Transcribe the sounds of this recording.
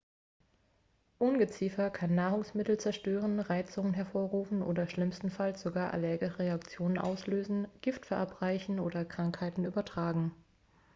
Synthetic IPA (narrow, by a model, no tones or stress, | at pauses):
ʔʊnɡət͡siːfɐkʰanːaːʁʊŋsmɪtl̩t͡sɛɐʃtøːʁ̞ənʁaɪt͡sʊŋənɦɛɐfoːɐʁuːfn̩ʔo̰ːdɐʃlɪmstn̩falsz̥oɡaːɐʔa̰lɛɐɡəʁeakt͡sjoːnənʔa̰ʊsløːzn̩ɡ̥ɪftfɛɐʔapʁ̥aɪçn̩oːdɐkʁ̥aŋkhaɪtn̩ʔyːbɐtʁ̥aːɡŋ̩